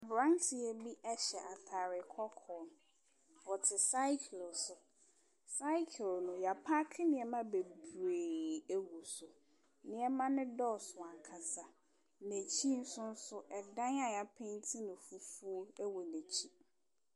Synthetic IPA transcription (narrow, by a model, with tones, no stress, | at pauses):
a˨bɾã˦ŋtʰɪ˨ɛ˦bi˦ʔɛ˦ɕɛ˨ʔa˨tʰa˨ɾɪ˨kʰɔ˦kʰɔ̃˨n | wɔ˨tʰɪ˨sa˦ɪ˦kʰlsʊ˨ | sa˦ɪ˦kʰlnʊ̃˨ja˨pʰa˦kʰɪ˦nɪ̃˨ɛ˨mã˦be˨bɾeː˨æ˦wu˨sʊ˨ | nɪ̃˨˦ɛ˦mã˦nɪ̃˦dɔ˦˨sʊ˨a˨kʰa˨sa˨ | næ˨t͡ɕʰi˦n̩˦sʊ̃˦n̩˦sʊ˦ʔɛ˨dã˦na˨ja˨pʰɛ̃˦n˦tʰi˦nʊ̃˨fu˨fu˦o˦ɛ˦wɔ˨ne˨t͡ɕʰi˦